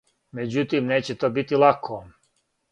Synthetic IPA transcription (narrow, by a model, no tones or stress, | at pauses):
med͡ʑut̪imneːt͡ɕet̪oːbit̪ilˠakʰo